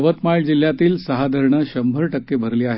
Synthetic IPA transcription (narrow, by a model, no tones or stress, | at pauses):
ʋət̪maɭd͡ʑil̤ːjat̪iːlsəɦad̪ʱəɾɳəɕəmbʱəɾʈəkːebʱəɾliːaɦe